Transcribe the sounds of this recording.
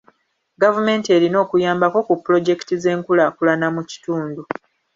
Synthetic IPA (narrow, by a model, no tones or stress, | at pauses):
ɡavume̞ntie̞ɾino̞ːkujaːmbako̞kupːulo̞ɟe̞ki̥tize̞ːŋkulaːkulanamuci̥tuːndu